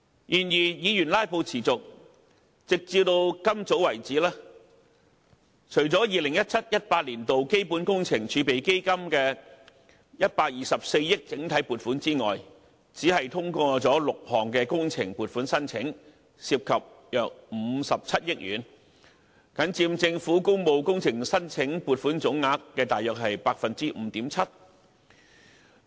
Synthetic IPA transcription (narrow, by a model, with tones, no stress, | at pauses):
jʔiː˨˩njiː˨˩jiː˨˧jy˨˩nlaː˥jpo˧wt͡sʰiː˨˩t͡sʊ˨k̚ | t͡sɪ˨k̚t͡siː˧wt̪o˧wkɐ˥mt͡so˨˥wɐ˨˩jt͡siː˨˥lɛː˥ | t͡ʃʰɵ˨˩ɥt͡sɔː˨˥jiː˨lɪ˨˩ŋjɐ˥t̚t͡sʰɐ˥t̚jɐ˥t̚paː˧t̚liː˨˩nt̪o˨wke˥jpuː˨˥nkʊ˥ŋt͡sʰɪ˨˩ŋt͡ʃʰyː˨˧pe˨jke˥jkɐ˥mkɛː˧ | jɐ˥t̚paː˧t̚jiː˨sɐ˨p̚se˧jjɪ˥k̚t͡sɪ˨˥ŋt̪ʰɐ˨˥jpuː˨t̚fuː˨˥nt͡siː˥ŋɔ̰ː˨j | t͡siː˨˥ɦɐ˨jt̪ʰʊ˥ŋkɔː˧t͡sɔː˨˥lʊ˨k̚hʰɔː˨˩ŋkɛː˧kʊ˥ŋt͡sʰɪ˨˩ŋpuː˨t̚fuː˨˥nsɐ˥nt͡sʰɪ˨˥ŋ | si˧p̚kʰɐ˨p̚ | jœː˨k̚m̩˨˧˦sɐ˨p̚t͡sʰɐ˥t̚jɪ˥k̚jyː˨˩n | kɐ˨˥nt͡siː˧mt͡sɪ˧ŋfuː˨˥kʊ˥ŋpo˧wkʊ˥ŋt͡sʰɪ˨˩ŋsɐ˥nt͡sʰɪ˨˥ŋpuː˨˩t̚fuː˨˥nt͡sʊ˨˥ŋːaː˧˥kːɛː˧t̪aː˨jœː˨k̚ɦɐ˨jpaː˧k̚fɐ˨nt͡siː˥m̩˨˧t̪iː˨˥mt͡sʰɐ˥t̚